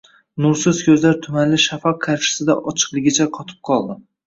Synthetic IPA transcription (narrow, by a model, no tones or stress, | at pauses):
nʊɾsɪzkʲʰɵzlaɾt̪ʰʊmanlɪʃafɒq̚kʰːaɾʃɪ̥sɪd̪aʔɒt͡ʃʰɨ̥qlˠɪɡʲɪt͡ʃʰaqʰɒt̪ʰɪ̥p̚qʰɒlˠd̪ɪ